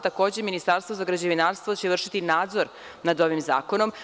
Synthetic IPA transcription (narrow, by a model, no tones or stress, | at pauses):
t̪ako̞ːd͡ʑeminist̪aɾst̪ʋozaɡɾad͡ʑeʋinaːɾst̪ʋot͡ɕeʋr̩ʃit̪inaːd̪zo̞ɾ | nad̪o̞ʋimza̰ːko̞no̞m